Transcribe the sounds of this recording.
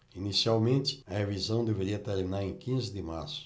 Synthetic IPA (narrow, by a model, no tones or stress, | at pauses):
inisiawmẽnt͡ʃ̪ɪ̥ɐhevizɐ̃w̃d̪eveɾiɐt̪eɾminaɾẽj̃kĩzɪd̪ɪmaɾsʊ̥